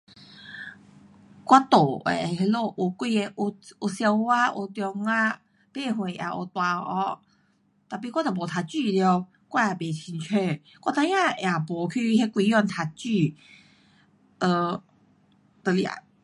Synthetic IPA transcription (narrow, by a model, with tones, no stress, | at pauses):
kwa˦t̪o˨˩ḛ˨˧˩he˦lo˥˧ʔo˨˧˩kwi˥˧˨e˧ʔo˧o˧sja˧wa˦ʔo˧˩t̪jɔ˧ŋa˦ | b̥e˥˧ɦwe˨ʔj̰a̰˨˩o̰˨˩t̪wa˧ʔɔ˧˦ | t̪a˨˩p̬i˧˨kwa˦t̪o˨˩bo˨˩t̪ʰa˧t͡ɕy˥˧ljo˧ | kwa˥˩a˨˩be˨˩t͡ɕʰi˧nt͡ɕʰe˥˧˨ | kwa˦˧t̪ʰã˧jã˥˧˨ja˨˩bɔ˨˩kʰy˥˧he˦kwi˧jɔ˥˧nt̪ʰa˧˩t̚t͡ɕy˥˧ | ə˧˩ | t̪ə˧lja̰˨˩